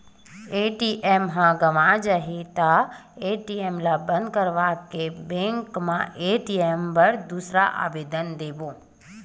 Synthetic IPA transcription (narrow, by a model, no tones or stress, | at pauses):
eʈiʔemɦãɡəʋãd͡ʒəɦit̪aeʈiemlabə̃nd̪kəɾʋakebẽŋkmãʔeʈiembəɾd̪usɾaʔa̰ʋeːd̪ənd̪eʋo